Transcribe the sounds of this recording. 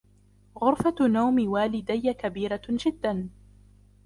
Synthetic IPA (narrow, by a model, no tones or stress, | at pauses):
ɣʊɾfanawmɪwaːlɪd̪ajːakabiːɾad͡ʒɪd̪ːan